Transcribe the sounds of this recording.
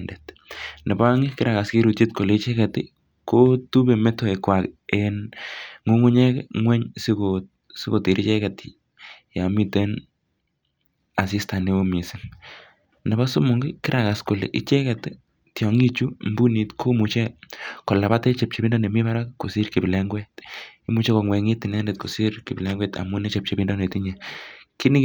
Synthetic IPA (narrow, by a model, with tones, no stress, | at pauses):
nde˨tnɛ˨ba˦ŋɪ˦kɪ˦ɾa˨ka˨ski˦ɾu˨tt͡ʃi˦t̚ko˨le˨it͡ʃɛ˦kɛtɪ˦ | ko˦tu˦be˨mɛ˦to˨e˨kwa˨kenŋo˦ŋu˦ɲɛ˦kɛŋwɛ˦ɲsɪ˦kot̚ | sɪ˦ko˨ti˨ɾi˦t͡ʃɛ˦ka˨tɪ | ja˨mi˦te˦n | a˨s̬i˦sta˨ne˦o˦mi˨sɪ˨ŋ | nɛ˨ba˦su˦mʊ˨ŋɡɪ˦kɪ˦ɾʔa˨ka˨sko˨lḛ˨ʔḭ˦t͡ʃɛ˦ka˨t | tjɔ˨ŋi˦t͡ʃu˦mbu˦ni˨tkʰo˦mu˨t͡ʃɛ˦ko˨la˨pa˦te˦t͡ʃɛ˨p̚t͡ʃe˨bi˦ndɔ˦ne˨mi˦βa˦ɾa˦kkːo˨si˦ɾki˨bɪ˨lɛ˦ŋɡwɛ˦ti˦mu˦t͡ʃɛ˦ko˨ŋwɛ˨ŋɪ˦tɪ˨nɛ˦ndɛ˨t̚ko˨si˦ɾkɪ˨pɪ˨lɛ˦ŋɡwɛ˦ta̰˨mʊ˦ne˦t͡ʃɛ˨p̚t͡ʃe˨bi˦ndɔ˦ne˨tiɲɛ˨kɪ˦nɪ˦